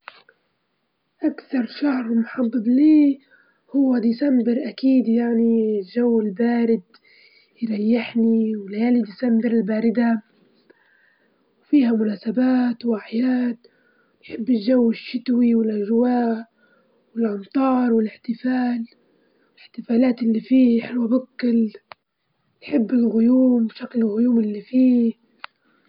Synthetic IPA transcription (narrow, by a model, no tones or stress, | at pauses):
ʔakθɑɾˤʃahɾmʊħɑd̪ˤːɨbliː | hʊwːad̪isambɪɾʔakiːd̪jaʕnilʒawːɪlbaːɾɪd̪ | jɾˤɑjːɪħniwɪljaːlid̪ɪsambɪɾɪlbaːɾɪd̪a | wfiːhamʊnaːsabaːt̪wʔaħjaːd̪ | nħɪbːɪlʒawːɪʃːɪt̪wiwɪlʔaʒwaːʔ | wɪlʔɑmt̪ˤɑːɾˤwɪlɪħt̪ɪfaːl | ɪlɪħt̪ɪfaːlaːt̪ɪlːifiːħɪlwabʊkːɪl | nħɪbːɪlɣʊjuːmbʃaklɪlɣʊjuːmɪlːifiː